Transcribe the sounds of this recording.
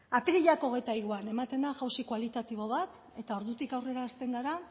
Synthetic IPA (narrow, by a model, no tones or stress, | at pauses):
apiɾiʎako̞ɣ̞e̞jt̪aiɾuane̞mat̪e̞nd̪aɣawsikwalit̪at̪iβ̞o̞β̞at̪ | e̞t̪ao̞ɾðut̪ikawre̞ɾaːst̪e̞ŋɡaɾa